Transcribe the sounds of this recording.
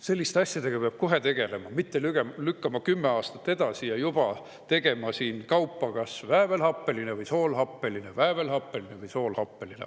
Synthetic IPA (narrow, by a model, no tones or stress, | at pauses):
se̞lːist̪eɑsʲjɑd̪̥e̞ɡ̥ɑpeɑb̥̚ko̞ɦe̞t̪e̞ɡ̥e̞le̞mɑmit̪ːe̞lyɡelykːɑmɑkymːe̞ɑːst̪ɑ̥t̪ːˑe̞d̪̥ɑsijɑjub̥ɑ | t̪e̞ɡe̞mɑsiːnkɑwpːɑkɑsvæːve̞lhɑpːˑe̞line̞vɯjso̞ːlɦɑpːe̞line̞væːve̞lhɑpˑːe̞line̞vɯjso̞ːlhɑpːe̞linḛ